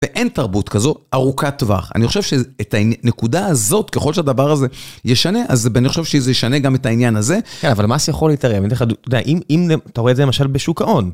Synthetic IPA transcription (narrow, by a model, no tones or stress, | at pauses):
veʔe̞ntaʁbutkazo̞ʔaʁukatva̰χa̰niχo̞ʃe̞vʃeːtaine̞kudaːzo̞tkeχo̞lʃead̪avaʁaze̞jeʃane̞ʔazaniχoʃevʃezejeʃaneɡametainjanaze̞kenavalmaːsijaχo̞leit̪aʁemdeadtodea̰ʔimimleat̪aoedzelemaʃalbeʃukaʔo̞n